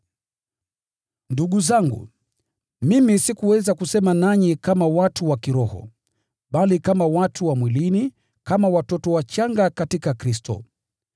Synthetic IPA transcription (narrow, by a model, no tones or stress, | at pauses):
nduɠuzaŋɡṵ | mimisikuwɛzakusɛmanaɲikamawatuwakiɾɔhɔ̰ | ɓalikamawatʰuwamwilini | kamawatɔtɔwat͡ʃaŋɡakatikakɾistɔ̰